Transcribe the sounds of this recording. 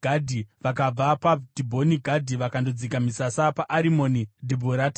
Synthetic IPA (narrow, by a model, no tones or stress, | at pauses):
adʱiʋakab͡vapadibʱo̞niɡʱadʱiʋakandod͡zikamisasapaʔːɾimo̞nidʱibʱoɾaːta